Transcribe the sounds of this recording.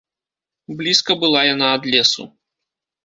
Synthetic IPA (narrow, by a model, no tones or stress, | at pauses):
blʲiskɐbɨlˠajanaːd̪lʲɛsṵ